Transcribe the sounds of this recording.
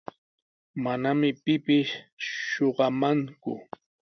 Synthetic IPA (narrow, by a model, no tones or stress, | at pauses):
manamɪpɪpɪʃː | oɢɑmaŋkʊ̰